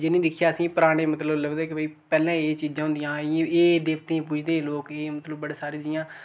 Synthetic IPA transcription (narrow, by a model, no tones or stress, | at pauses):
d͡ʒeːnĩːd̪ɪkʰjaːəsĩːpəɾaːɽ̃eːmət̪ləbləɡd̪eːkɪbiːpɛːlɛ̃ːeːt͡ʃiːd͡ʒãːɦʊ̃nd̪ɪjãːeːd̪eːkʰt̪ẽːpʊd͡ʒd̪eːloːkeːmət̪ləbːəɽeːsaːɾẽːd͡ʒɪjãː